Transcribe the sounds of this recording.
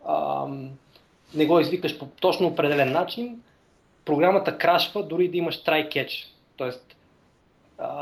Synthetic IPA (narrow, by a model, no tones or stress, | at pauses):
ə̰ | nɛɡɔizvikəʃpot̪ɔt͡ʃnoːpɾɛd̪ɛlɛnːat͡ʃin | pɾoɡɾamət̪əkɾaʃvəd̪ʊɾid̪ɐimɐʃt̪ɾajkɛt͡ʃ | t̪ɔɛst̪ | ə